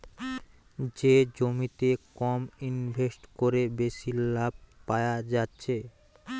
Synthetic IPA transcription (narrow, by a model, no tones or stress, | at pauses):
d͡ʑed͡ʑomit̪ekɔminbʱesʈkoɾebeʃilːab̚ʱpaead͡ʑatːɕʰe